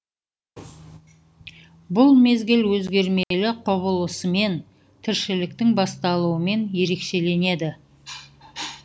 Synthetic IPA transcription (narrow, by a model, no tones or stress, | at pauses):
bʊlˠme̞zɡʲɪlwɵzɡʲe̞ɾmelɪqʰʊβəlˠəsəme̞n | t̪ʰɪɾʃɪlɪkt̪ɪŋbɑst̪ɑlˠuwəme̞nje̞ɾe̞kʃe̞le̞ne̞d̪ɪ